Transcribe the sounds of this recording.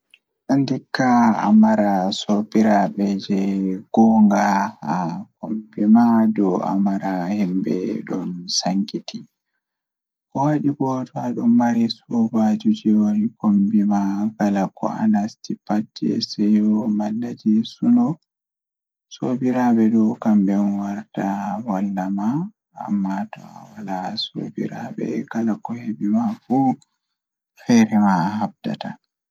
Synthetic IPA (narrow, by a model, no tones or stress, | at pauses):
ɗɔndikːaa̰maɾasobiɾaɓɛd͡ʒɛɡ̥ɔŋɡahakombimadɔa̰maɾahɛmbɛ̰ɗɔnsaŋkiti | kɔwaɗibɔtɔaɗɔmːaɾisɔbad͡ʒud͡ʒiwonikombimaɡalakʰɔ̰a̰nastipatːɛ̰sɛjɔmalːad͡ʒisunɔ | sobiɾaɓɛdɔkambɛnwaɾtawalːama̰ː | mːatɔ̰a̰walaso̰bḭɾa̰ɓɛ̰ɡalakɔhebimafu | xɛɾɛmahabda̰ta